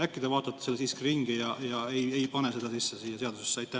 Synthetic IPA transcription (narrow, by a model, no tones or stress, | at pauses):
ækːid̪ɑvɑːt̪ːˑɑt̪ːe̥selsiskriŋɡ̥ijɑjɑeje̞jpɑnese̞d̪̥ɑsisːesiːjːɑse̞ɑd̪usesːɑjt̪ːæ